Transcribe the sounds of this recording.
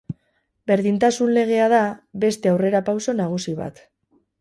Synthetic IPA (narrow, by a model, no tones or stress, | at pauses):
be̞ɾðint̪asunle̞ɣ̞e̞aðaβe̞st̪e̞awre̞ɾapawso̞naɣ̞usiβa̰t̪